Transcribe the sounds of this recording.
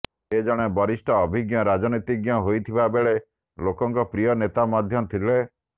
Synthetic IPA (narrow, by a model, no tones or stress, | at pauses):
ed͡ʒɔɽ̃ebɔɾisʈʰɔːbʱiɡjɔɾad͡ʒɔnit̪iɡjɔɦojt̪ʰibabeɭe | lokɔŋkɔpɾijɔnet̪amad̪ʱjɔt̪ʰile